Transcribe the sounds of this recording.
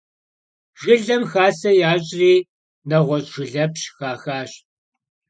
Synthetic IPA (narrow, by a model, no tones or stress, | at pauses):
ʒ̥ɪɮɐmxaːsɐjaːɕʼriː | nɐʁʷɔɕʼʒɪɮɐpɕxaːxaːɕ